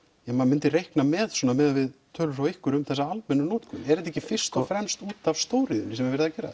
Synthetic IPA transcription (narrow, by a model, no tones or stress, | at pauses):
jɛmamɪnt̪ɪrejhknamɛðswɔːnamɛːðavɪðt̪ʰœːlʏɾfawɪhkʏɾʏmθɛs̬aalmɛnʏnoːt̪kʏ̰nɛɾɛt̪ɛcːɪfɪr̥st̪ɔfɾɛmst̪uːt̪av̥st̪oːwɾiðʏnɪsɛmvɪɾvɛɾðacɛːɾa̰ð